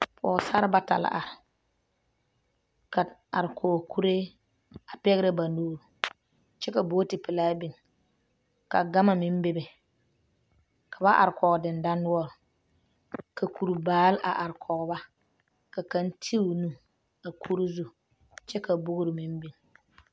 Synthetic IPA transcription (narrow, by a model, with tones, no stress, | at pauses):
pʰɔ̰ː˨sa˦ɾba˦ta̰˨la̰˨a˨ɾɪ˨ | ka˨a˨ɾkʰɔː˨kʰu˦ɾe˦ | a˨pɛ˦ɣɪ˦ɾɪ˦ba˨nuː˦ɾu˨ | t͡ʃɛ˦ka˨bo˦tɪ˨pɪ˨laː˦bi˨n˨ | ka˨ɡa˦ma˨mɪ˦m˦be˦be˨ | kʰa˨ba˦ʔa̰˨ɾɪ˨kɔ˨ɡdɪ˨nda˦nːʊ˦ɔ˦ɾʊ˨ | kʰa˨ku˨ɾbaː˨˦lʔa̰˨ʔa˨ɾɪ˨kʰɔ˨ɡba˦ | ka˨ka˦ntʰi˦˨nu˦ | a˨kʰu˦ɾi˦zu˦ | t͡ʃɛ˦ka˨bo˦ɡʊ˦ɾɪ˨mi˦mbi˨n